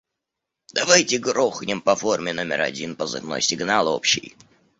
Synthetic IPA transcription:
d̪̥ɐvajtʲɪɡɾoxnʲɪmpɐfo̞rmʲɪno̞mʲɪ̰ɾɐ̰dʲinpəzɨ̰vno̰jsʲɪɡnalˠo̰pɕːɪ̰j

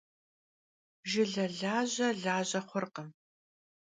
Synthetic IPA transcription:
ʒɪɮɐɮaːʑɐɮaːʑɐχʷʊrqɐ

